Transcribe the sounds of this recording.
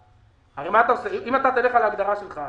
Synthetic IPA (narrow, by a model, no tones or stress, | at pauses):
aʁemaːt̪amsiχiʔimat̪at̪aleχalaɡd̪aʁaʃelχa